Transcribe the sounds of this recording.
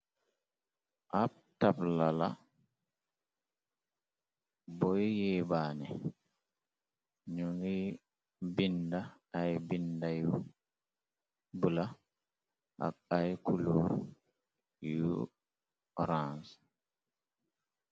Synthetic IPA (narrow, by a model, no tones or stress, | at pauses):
ʔap̚tablala | bɔjjɛbaːnɛ | ɲuni | bindaː | jbindaju | bula | ʔa̰kajkulu | ju | ɾans